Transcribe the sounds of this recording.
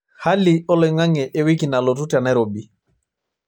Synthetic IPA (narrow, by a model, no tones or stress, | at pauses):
halːiɔlɔjŋaŋɛʔewikinalotutanajɾobi